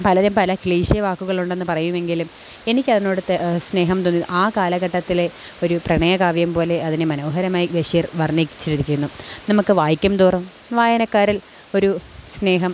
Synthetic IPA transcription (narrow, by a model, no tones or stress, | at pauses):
pɐlɐɾumpɐlɐkɭiːɕijɐʋaːkːuɣɐɭuɳɖe̞nːɨpɐrɐjume̞ŋɡilum | e̞nikʲːɐðɐno̞ːɽɨt̪ːesne̞ːɦɐmt̪onːiðʔaːkaːlɐɣɐʈːɐt̪ːile̞ | o̞ɾuprɐɳɐjɐkaːʋjɐmpo̞ːle̞ɐðinemɐnoːɦɐɾɐmaːjiʋeʂirʋɐrnikʲːi̥t͡ɕːɨɾuðikʲːunːunɐmukːɨʋaːjikʲːɐmt̪uːrɐm | ʋaːjɐnɐkːaːɾil | o̞ɾusne̞ːɦɐm